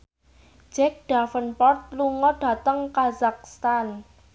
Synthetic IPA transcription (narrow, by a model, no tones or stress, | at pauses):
d͡ʒ̥ɛk̚ɖ̥afənpɔrt̪̚luŋɔɖ̥ä̤t̪əŋkazak̚st̪an